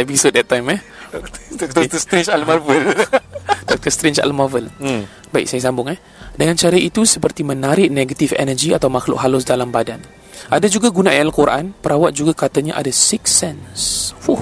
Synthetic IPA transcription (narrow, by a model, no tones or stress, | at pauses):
ɛpisod̚ɛt̪ːajmɛh | t̪ɔt̪əst̪ɾent͡ʃalmavəl | dɔk̚t̪əst̪ɾent͡ʃa̰lmɔvəl | baɪ̰ksajəs̬ambʊŋɛh | dəŋant͡ʃaɾait̪usəpərt̪imənaɾɪʔneɡat̪ifɛ̰nəd͡ʒiat̪awmaxlʊ̰ʔɦalʊs̬dalambadan | ʔadad͡ʒuɡaɡunaʔajalkuɾa̰ʔanpəɾawat̪̚d͡ʒuɡakat̪aɲa̰ʔa̰dasiksɛnswuh